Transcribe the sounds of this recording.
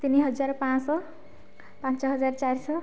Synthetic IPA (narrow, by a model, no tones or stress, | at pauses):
t̪iniɦʌd͡zarpãsʌ | pãnt͡sʌɦʌd͡zart͡sajrsʌ